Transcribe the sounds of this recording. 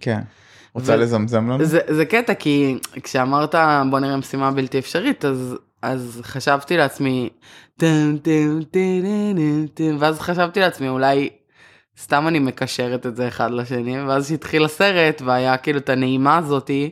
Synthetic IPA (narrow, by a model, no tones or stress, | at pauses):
kʰen | ʁot͡svalezamzamlamzezeketakikʃeamaʁt̪abo̞niʁemesimabilt̪iefʃaʁit̪az | ʔazχaʃavt̪ileat͡smi | temt̪emt̪enenet̪enveazχaʃavt̪ileat͡smiulaj | st̪amanime̞kaʃe̞ʁete̞tze̞ːχad̪laʃe̞niveazʃit̪χilase̞ʁe̞tveajakiːluet̪ane̞imaːzo̞ti